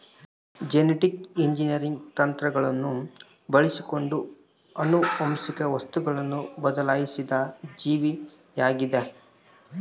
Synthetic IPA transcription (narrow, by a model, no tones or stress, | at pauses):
d͡ʒeneʈikiɲd͡ʒinijɐɾiŋɡt̪ɐnt̪ɾɐɡɐɭɐnːu | bɐɭisiko̞ɳɖu | ɐnuʋɐmsikɐʋɐst̪uɡɐɭɐnːubɐd̪ɐlaːjisid̪ɐd͡ʒiːʋi | jaːɡid̪e